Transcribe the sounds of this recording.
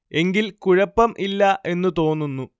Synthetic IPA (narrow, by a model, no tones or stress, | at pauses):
e̞ŋɡilkuɻɐpːɐmʔilːɐʔe̞nːɨt̪o̞ːnːunːu